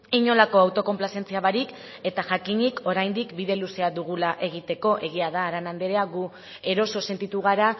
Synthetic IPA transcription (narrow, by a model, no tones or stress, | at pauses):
iɲo̞lako̞awt̪o̞ko̞mplase̞nt͡siaβaɾik | e̞t̪aʝakiɲikʰo̞ɾajnd̪ikbiðe̞luse̞aðuɣulaʔe̞ɣ̞it̪e̞ko̞ʔe̞ɣ̞iaðaːɾanand̪eɾeaɣu | e̞ɾo̞so̞se̞nt̪it̪uɣ̞aɾa